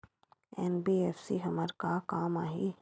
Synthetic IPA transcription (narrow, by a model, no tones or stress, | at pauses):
ɛːnbiːɛːfsiɦɐməɾkakaːmaːɦiː